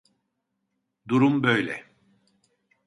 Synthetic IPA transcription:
d̪uɾumbøjlʲɛ

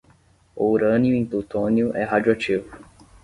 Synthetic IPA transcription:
ouɾɐ̃niʊẽt̪ot̪õnjʊʔɛɦad͡ʒuat͡ʃivʊ

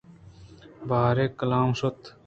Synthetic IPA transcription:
baːɾekəlaːmʃot̪

